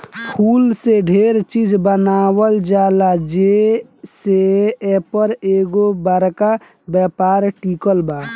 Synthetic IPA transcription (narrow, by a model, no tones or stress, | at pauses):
kʰuːlseɖʱeɾt͡ʃiːd͡ʒbənaːwəld͡ʒaːlad͡ʒeseepəɾeːɡobəɾka | bɛpaːɾʈikəlbaː